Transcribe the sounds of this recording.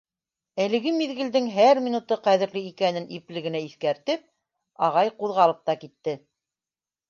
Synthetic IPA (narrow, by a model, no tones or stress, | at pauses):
ælɘ̆ɡɘmiðɡɘ̆ld̪ɘŋɦæɾmʲinut̪ɤqæðɘ̆ɾlɘikænɘnʔiplɘ̆ɡɘ̆næiθkæɾt̪ɘp̚ | ɑʁɑjquðʁɑlˠɤp̚t̪ɑkit̪ːɘ